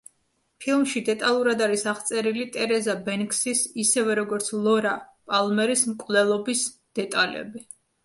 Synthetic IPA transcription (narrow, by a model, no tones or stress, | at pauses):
pʰilˠmʃid̪ɛt̪ʼalˠuɾad̪aɾisaχt̪sʼɛɾilit̪ʼɛɾɛzabɛnkʰʼsisisɛvɛɾɔɡɔɾt̪sʰlˠɔɾapʼalˠmɛɾismkʼvlɛlˠɔbis | d̪̥ɛt̪ʼalɛ̰bi